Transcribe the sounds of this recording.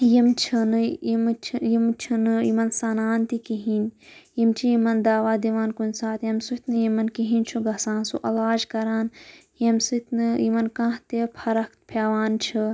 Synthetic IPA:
jimt͡ʃʰɨnɨimt͡ʃʰjimt͡ʃʰɨnɨḭmɐnsanaːnt̪ikiɦinʲjimt͡ʃʰijimɐnd̪aːʋaːd̪iʋaːnkunʲsaːt̪jɐmsut̪nɨjimɐnkiɦinʲt͡ʃʰuɡɐsãːnsṵʔɐlaːd͡ʒkɐɾaːn | jɐmsut̪nɨjimɐnkãːɦt̪epʰɐɾɐkt̪̚pʰjaːʋaːnt͡ʃʰɨ

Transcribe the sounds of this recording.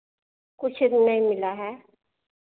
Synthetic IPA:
kʊt͡ʃʰdnəĩmɪlaɦɛː

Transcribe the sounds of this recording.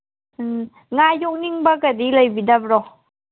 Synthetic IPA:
ŋajuk̚niŋbakadiləjbidap̚ɾɔ

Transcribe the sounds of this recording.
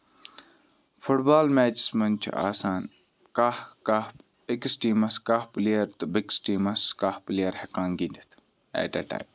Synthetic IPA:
fʰʊʈbaːlmeːt͡ʃsmɐnt͡ʃʰṵa̰ːsaːn | kahka | ɪksʈiːmɐskaːplijɐɾt̪ubɪksʈiːmɐskaːhplijɐɾhekaːnɡind̪it̪ʰ | ḛːʈḛʈa̰ːjm

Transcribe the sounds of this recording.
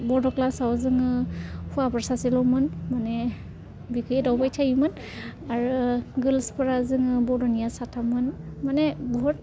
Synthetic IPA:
bɔɹdɔklasawzɯŋɯhʰuapɔɹsasilɔmɯnmanɛ | bikʰjɛdɔwbajtʰajimɯn | aɹɡɯlspɔɹazɯŋɯbɔɹdɔnijasatʰamɯn | manɛbɔɦut̚

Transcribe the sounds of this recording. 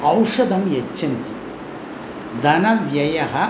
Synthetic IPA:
ɐwʂɐd̪ɐmjet͡ʃːɐnt̪i̥ | d̪ʱɐnɐʋjɐjɐɦɐ

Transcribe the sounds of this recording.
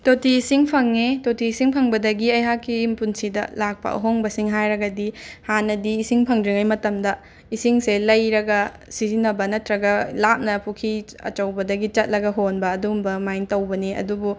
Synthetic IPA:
totiːsiŋpʰɐŋːetotiːsiŋpʰɐŋbɐdɐɡiɐjɦakːiimpunsidɐ̰lak̚pɐ̰ʔɐ̰ɦoŋbɐsiŋɦajɾɐɡɐdihanɐdiːsiŋpʰɐŋdɾiŋajmɐtɐmdɐ | isiŋselɐjɾɐɡɐ | sizinːɐbɐnɐtɾɐɡɐlap̚nɐpʰukʰiɐ̰t͡ʃɐwbɐdɐɡit͡ʃɐt̚lɐɡɐɦonbɐːdumbɐmajntɐwbɐniɐ̰dubu

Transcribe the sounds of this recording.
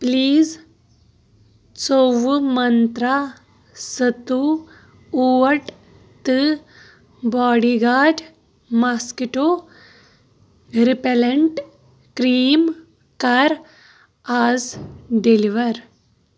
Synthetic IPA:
pliːz | t͡soʋmɐnt̪ɾa | sɐt̪u | uʋɐɾʈ | t̪ɨ | bɔːɽiɡaːʈ | maskiʈo | ɾipeleɳʈ | kɾiːm | kɐɾ | aːzɖeliʋəɾ

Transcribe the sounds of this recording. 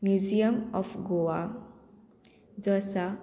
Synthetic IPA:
mjuzijəmɔfɡoa | d͡zɔsa

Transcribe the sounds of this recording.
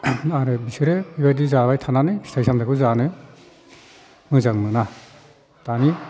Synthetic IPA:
aɾɯbisɯɾebibajdizabajtʰananɯsi̥tʰajsandakʰɯzanɯ | mɯzaŋnɯna | tani

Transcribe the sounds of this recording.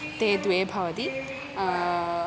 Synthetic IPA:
t̪eːd̪ʋeːbʱɐʋɐt̪i

